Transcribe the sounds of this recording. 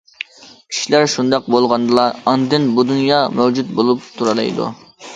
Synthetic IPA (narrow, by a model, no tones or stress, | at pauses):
kʲʰi̥ʃilæɾʃund̪ɑq̚bolˠʁɑnd̪ɨlˠɑɑnd̪ɨnbud̪unjɑmɛwd͡ʒut̪̚bolˠup̚t̪ʰuɾɑlˠɑ̰jd̪ṵ